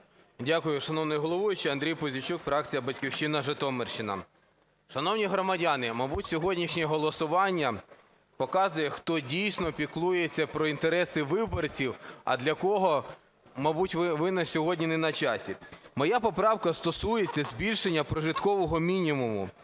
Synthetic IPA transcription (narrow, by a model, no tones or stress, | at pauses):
dʲakʊjʊʃɐnɔwnɔjʊɦɔlˠɔʋɔjʊt͡ʃɛɐnd̪ɾʲijpɔzʲʊt͡ʃukfɾɑk̚t͡sʲijɐbɐtʲkʲiwʃɪnɐʒet̪ɔmerʃɪnɐ̰ | ʃɐnɔwnʲiɦɾɔmɐdʲanɪmɐbutʲsʲɔɦɔdʲnʲiʃnʲɛɦɔlˠɔsʊʋɑnʲːɐ | pɔkɑzʊjɛxt̪ɔdʲijsʲnɔpʲiklˠujet͡sʲːɐpɾɔint̪eɾɛsɪʋɪbɔrt͡sʲiwɐ̰d̪lʲɐkɔɦɔ | mɐbutʲʋʋɪnɐsʲɔɦɔdʲnʲinɛnɐt͡ʃɑsʲimɔjapɔpɾɑwkɐst̪ɔsujet͡sʲːɐzʲbʲilʲʃenʲːɐpɾɔʒɪt̪kɔʋɔɦɔmʲinʲimumʊ̰